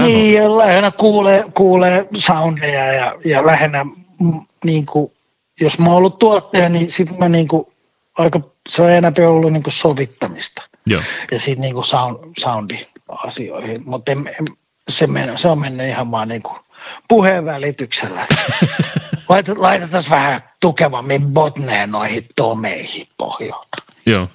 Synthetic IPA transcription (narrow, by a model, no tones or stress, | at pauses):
niːjɑlæhenːækuːleːkuːleːsɑundejɑjɑjɑlæhenːæ | m | niːŋku | josmɑolːutt̪uɑt̪ːeːnisit̪mæniːŋku | ɑikɑ | seoienɑpeolːuniːŋkussoʋit̪ːɑmist̪ɑ̥̰ | jɑsiːt̪niːŋkusɑunsɑundiɑ̰sio̰ihimut̪ːemem | semenseommenːyihɑʋmɑːnniːŋku̥ | puheʋʋælit̪ykselːæ̰et̪ | lɑit̪ɑlɑit̪et̪ɑsʋæhæt̪ukeʋɑmːibot̪neːnnoihitt̪omḛihiːppo̰hjo̰lːt̪ɑ̥ | o